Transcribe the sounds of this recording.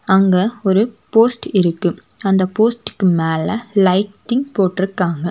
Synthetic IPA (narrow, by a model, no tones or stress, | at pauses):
ɐŋɡeɔɾɯpoːsʈɪɾɯkːɯ | ɐnd̪ɐpoːsʈɯ̥kːɯmeːlɐlɐɪʈːɪŋpoːʈːɪɾɯkːaːŋɡɐ